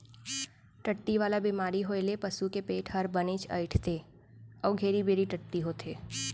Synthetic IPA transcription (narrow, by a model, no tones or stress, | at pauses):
ʈəʈːiʋaːlabimaːɾiɦoelepɐsukepeːʈʰɦɐɾbənet͡ʃʰɐ̰ɪʈʰt̪ʰe | ɔːɡʱeːɾibeːɾiʈəʈːiɦoːt̪ʰeː